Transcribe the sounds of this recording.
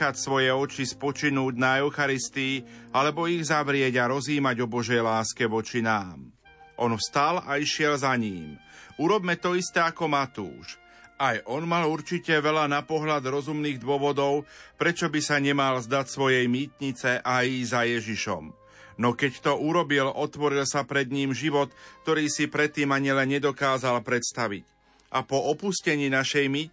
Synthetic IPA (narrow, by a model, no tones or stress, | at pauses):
acsʋɔjɛɔt͡ʃispɔt͡ʃinuːɟnaɛʊxaɾist̪iːalɛbɔiɣzaʋɾɪɛɟaɾɔziːmaɟɔbɔʒɛjlaːskɛʋɔt͡ʃinaːm | ʔɔnfst̪alaiʃɪɛlzaɲiːmuɾɔbmɛt̪ɔist̪ɛːakɔmat̪ṵːʃ | ʔajʔɔnmaluɾt͡ʃicɛʋɛʎanapɔɦlad̪ɾɔzumniːɣd̪ʊɔʋɔd̪ɔʊpɾɛt͡ʃɔbisaɲɛmalzd̪acsʋɔjɛjmiːt̪ɲit͡sɛʔajzajɛʒiʃɔ̰m | nɔkɛct̪ɔuɾɔbilɔt̪ʋɔɾilsapɾɛd̪ɲiːmʒiʋɔt̪kt̪ɔɾiːsipɾɛt̪ːiːmaɲilɛnɲɛd̪ɔkaːzalpɾɛt̪st̪aʋḭc | ʔapɔɔpuscɛɲiːnaʃɛjmiː